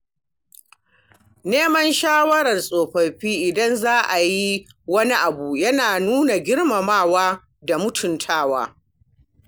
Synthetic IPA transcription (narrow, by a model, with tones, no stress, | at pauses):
neː˦mɐ˦nʃaː˦wɐ˦ɾɐ˨rsʼoː˨ɸɐ˨ɸiː˦ʔɪ˨dɐ˦nzaː˦ʔa˨ji˦ | wɐ˦ni˦ʔa˨bu˨jɐ˦naː˨nuː˦na˨ɡʲɪ˦ɽmɐ˨maː˦˨waː˦ | da˨mʊ˦tʰʊ˨ntʰaː˦wa̰ː˦